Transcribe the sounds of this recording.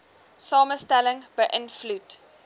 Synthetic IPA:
sɑːməstæləŋb̥əʔɪnflut

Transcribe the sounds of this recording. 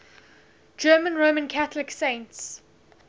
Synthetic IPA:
d͡ʒɜːmə̃nɹomə̃nkʰatəlɪksẽɪ̃nts

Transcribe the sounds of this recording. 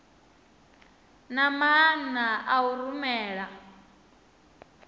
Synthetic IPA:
namanaʔauɾumɛːɺa

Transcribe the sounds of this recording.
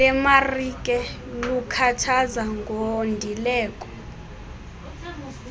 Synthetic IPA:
lɛmarikʼɛ | lukʰatʰazaŋɡʱɔndʱilɛːkʼɔ

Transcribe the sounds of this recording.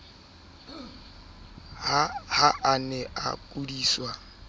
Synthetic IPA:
haʔanɛʔa̰kʼudiːswa

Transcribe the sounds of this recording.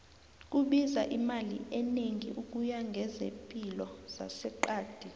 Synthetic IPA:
k̬ʼuɓizaʔimalḭɛneŋḭʔuk̬ʼujaŋɡʱɛzḛpʼilɔz̥a̰sɛǃaːd̥ʱi

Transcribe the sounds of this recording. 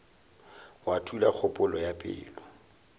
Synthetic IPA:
watʰulak͡xʰʊpʼʊlɔjapʼɪ̰ːlɔ

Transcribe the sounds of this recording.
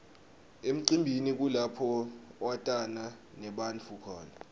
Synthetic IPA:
em̩ǀimbʱinik̬ulapʰɔwatʼana | nɛɓant͡fʰukʰɔːna

